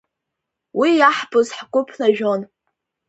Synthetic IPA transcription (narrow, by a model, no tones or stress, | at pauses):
wijaħbʼʊzħɡʷʼʊpʰnaʒᶣon